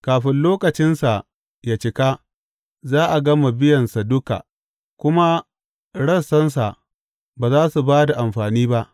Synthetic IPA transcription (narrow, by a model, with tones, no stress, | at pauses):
kaː˨ɸɪ˦nloː˦kɐ˨t͡ʃɪ˦nsa˨ | jaː˨t͡ʃɪ˨ka˦ | zaː˦ʔa˨ɡɐ˦ma˨bɪ˦jɐ˨nsa˨dʊ˦ka̰˨ | kʷʊ˦ma˦ | ɽɐ˦sɐ˦ns̬a˨ʔ | baː˨zaː˦su˨baː˦da˨ʔa˨mɸaː˨niː˦ba˦ʔ